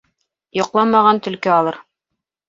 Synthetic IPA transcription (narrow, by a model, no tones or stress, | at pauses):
jŏqlˠɑmɑʁɑnt̪ɵ̆lkɘɑlˠɤɾ